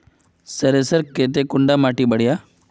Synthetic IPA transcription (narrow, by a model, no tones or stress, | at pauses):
səɾesəɾkeːt̪̬ekʊɳɖamaːʈibəɽ̤ijaː